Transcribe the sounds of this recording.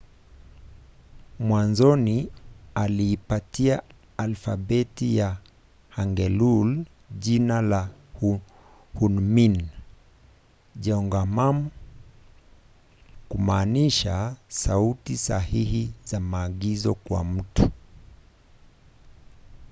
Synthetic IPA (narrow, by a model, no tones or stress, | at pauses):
mwanzɔnialiːpatiaː | lfa̰ɓɛtija | haŋɡɛlul | ʄinalah | hunmin | ʄɛɔŋɡamam | kumaːniʃasautisahihizamaːɠizɔkwa̰m̩tu̥